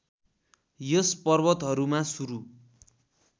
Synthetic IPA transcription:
jʌspʌrbʌt̪ɦʌɾumasuɾu

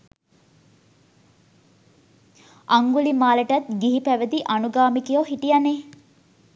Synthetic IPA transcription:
aŋɡulimaːləʈɐt̪ɡiɦipæʋəd̪iʔanuɡaːmikijoɦiʈijane

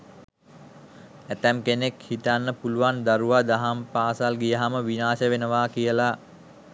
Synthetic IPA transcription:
æt̪ɛmkenekhit̪anːəpuluʋand̪aɾuʋad̪aɦampaːsalɡijəɦaməʋinaːʃəʋenəʋakijəla

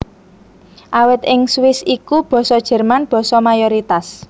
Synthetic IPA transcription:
ʔawɪt̪ɪŋswɪsikub̥ɔ̤sɔd̥ʒ̥ɛ̤rmanb̥ɔ̤sɔmajoɾit̪as

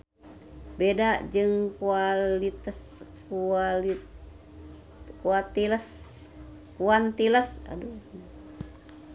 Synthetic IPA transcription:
bedad͡ʒɨŋkualit̪as | kuali | kuat̪iləs | kuant̪iləsa̰du

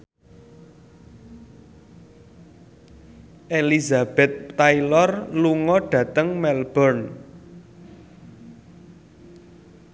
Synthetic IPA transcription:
ʔelizab̥ɛt̪̚ːailɔrluŋɔɖ̥ä̤t̪əŋmɛlb̥ərn

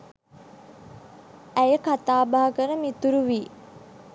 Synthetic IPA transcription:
æjəkat̪aːbaɦakəɾəmit̪uɾuʋiː

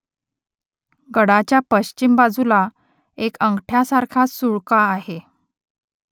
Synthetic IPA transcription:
ɡəɽat͡ɕjapəɕt͡ɕimbad͡zula | ekəŋɡʈʰjasaɾkʰasuɭkaːɦe

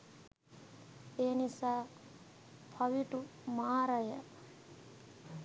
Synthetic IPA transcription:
eːnisaː | pʰɐʋiʈumaːɾɐjɐ

